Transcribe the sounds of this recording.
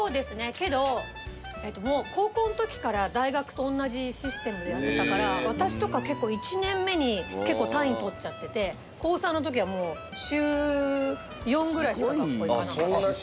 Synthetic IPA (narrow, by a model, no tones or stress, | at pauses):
so̞ːd̪e̞sɨne̞ke̞d̪o̞ | e̞t̪ːo̞mo̞ːko̞ːkõ̞ːnot̪o̞kʲi̥kaɾad̪aiɡakɯ̟̥t̪õ̞ːnːaʑiɕisɨ̥t̪e̞mɯejaɾɯd̪akaɾaβat̪aɕi̥t̪o̞kake̞kːo̞ːit͡ɕinẽ̞mːe̞ɲ̟ike̞kːo̞ːt̪ãĩnt̪o̞tt͡ɕat̪ːe̞t̪e̞ | ko̞ːsãnːo̞t̪̬o̞k̬ʲiβ̞amo̞ː | ɕɨː | jõ̞ŋɡɯ̟ɾaiskaoikkan